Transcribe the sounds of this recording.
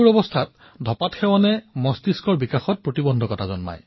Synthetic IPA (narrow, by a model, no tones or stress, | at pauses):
uɹɔbɔstʰat | dʱɔpatxɛwanɛmɔstiskɔɹbikaxɔt̚pɹotibɔndʱɔkɔtazɔ̰nma̰j